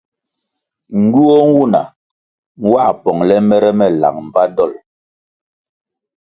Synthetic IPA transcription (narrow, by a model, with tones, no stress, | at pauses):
ŋ̩˦ɡu˦ɔ˦ŋ˦wu˦˨na̰˨ | ŋ̩˦wa˦˨pɔ˨ŋlɛ˦mɛ˦ɾɛ˦mɛ˦˨la̰˨ŋ̚m̩˨ba˦dɔ˦˨l